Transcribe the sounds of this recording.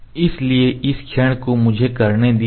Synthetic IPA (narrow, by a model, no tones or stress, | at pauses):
ɪslieɪskʰeːɽ̃komʊd͡ʒʱekɐɾned̪i